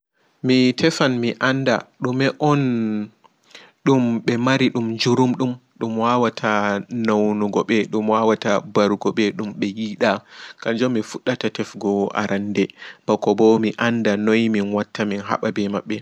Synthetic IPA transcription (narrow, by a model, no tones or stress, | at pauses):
mitʰɛfanmiʔanda̰ɗumɛʔɔn | ɗumɓɛmaɾiɗumd͡ʒuɾumɗumɗumwawatʰanawnuɡɔɓɛɗumwawatabaɾuɡɔɓɛɗumɓɛjiɗakaɲd͡ʒɔmːifuɗːatatɛfɡɔa̰ɾandɛb̥akɔbɔmiʔandanojminwatːaminɦa̰ɓabɛmaɓːɛ